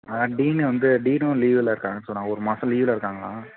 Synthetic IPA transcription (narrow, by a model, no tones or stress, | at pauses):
ɐɖiːnʋɐnd̪ɯɖiːnũliːʋɪlɐɪɾɯkːaːŋɡɐnsɔnːaːɡɐɔɾɯmɐsɐ̃liːʋɪlɐɪɾɯkːaːŋɡɐɭa̰ː